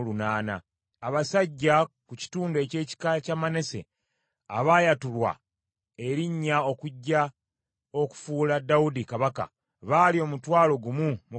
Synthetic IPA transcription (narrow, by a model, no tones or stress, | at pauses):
lunaːna̰ː | βasaɟːakuci̥tuːndoe̞ce̞ːci̥kacamane̞se̞̰ | a̰βaːjatulwa̰ | e̞ɾiɲːao̞kuɟːa | o̞ku̥fuːladːaudikaβaka̰ | βaːlio̞mutwaːlo̞ɡumumu